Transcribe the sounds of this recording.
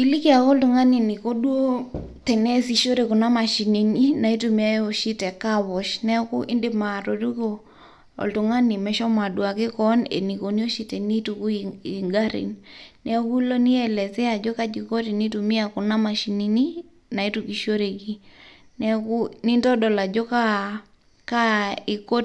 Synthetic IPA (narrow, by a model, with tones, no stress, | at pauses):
ki˨li˦ki˦a˨kɔ˦ltu˨ŋa˦ni˨ni˨ko˦dwo˦tɛ˨nɛ˦si˨ʃo˦ɾe˨ku˨na˦ma˨ʃi˨ni˨ni˦na˨i˦tu˨mi˦a˦o˨ʃi˦tɛ˨ka˦βɔ˨ʃnɛ˦ku˦ʔɪ˦ndɪ˦ma˨ɾo˨tu˦ko˨ | ɔ̰˨ltu˨ŋa˦ni˨mɛ˨˦ʃɔ˦ma˨dwa˨kɪ˦kɔ˦nḛ˨ni˨ko˨ni˦o˦ʃi˦tɛ˨ni˦tu˨ku˦ii˨ŋɡa˦ɾḭ˨nnɛ˦ku˦lo˦ni˦ɛ˨lɛ˨sɛ˦a˨d͡ʒo˦ka˦d͡ʒi˨ko˦ti˨ni˦tu˨mi˦a˨ku˨na˦ma˨ʃi˨ni˦ni˦ | na˨i˦tuki˨ʃo˦ɾe˨ki˦nɛ˦ku˦ni˦ntɔ˦dɔ˨la˨d͡ʒo˦ka˦ | ka˦i˨ko˦t